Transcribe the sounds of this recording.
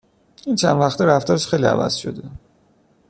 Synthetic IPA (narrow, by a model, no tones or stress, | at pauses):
int͡ʃʰænvæxt̪ʰeɾæft̪ʰɒːɾeʃxejliæ̰væ̰z̥ʃo̰d̪e